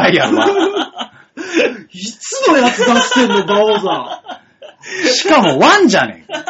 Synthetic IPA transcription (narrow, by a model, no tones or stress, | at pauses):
aia | it͡sɨno̞jat͡sɨd̪aɕi̥t̪ẽnːed̪aoza | ɕi̥kamo̞βãɲ̟d͡ʑanḛ̃